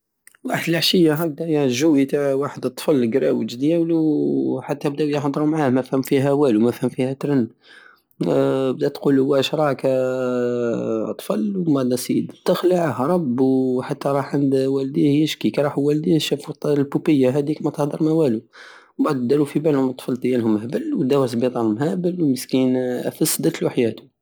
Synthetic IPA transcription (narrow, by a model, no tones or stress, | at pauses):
waħəd̪əlaʕʃəjːaɦæb̚d̪æjʒuwit̪aʕwaħəd̪ət̪ˤːfəlɡɾæ̰wət̪d̪jæwluħat̪ːæbd̪æwjəħd̪ˤɾumʕahmæfhəmfiɦæwælumæfhəmfihæt̪ɾən | bd̪æt̪qulwæʃɾˤɑkæ | t̪ˤfɑlwmæd̪æsid̪t̪əxləʕhɾˤɑbħat̪ːæɾˤɑħʕand̪wæld̪ihjəʃkikɾˤɑħuwæld̪ihʃæfut̪lbupəjːaɦæd̪ikmæt̪əhd̪əɾˤmæwælu | baʕd̪d̪æɾufibælhʊmt̪ˤfɑlt̪jælhʊmhbəlwd̪æwæslbit̪ˤɑlmhæbəlwməskinʔæ̰fəsːd̪æt̪luʔħjæt̪u̥